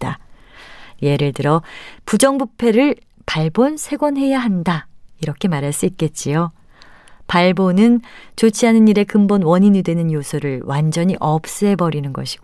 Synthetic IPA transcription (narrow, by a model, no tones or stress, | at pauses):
ta | je̞ɾɯɭtɯɾʌpud͡ʑʌŋbupʰe̞ɾɯɭ | paɭbonsʰe̞ɡwʌnɦe̞jaɦandaiɾʌkʰe̞maɾɦaɭs͈uit̚k͈e̞t̚t͡ɕ͈ijo | paɭbonɯnt͡ɕot͡ɕʰiɦanɯniɾe̞kɯmbʌnwʌɲiɲidwe̞nɯnjosʰuɾɯɭwʔand͡ʑʌɲiʔʌp̚s͈ɯɦe̞bʌɾinɯnɡʌɕʰi̥ɡo